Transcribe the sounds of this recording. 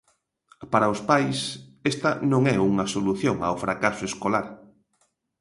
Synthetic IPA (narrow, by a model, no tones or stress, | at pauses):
paɾɐʊspajsɛst̪ɐnõŋɛuŋɐsoluθjoŋa̰wfɾakasʊeskolaɾ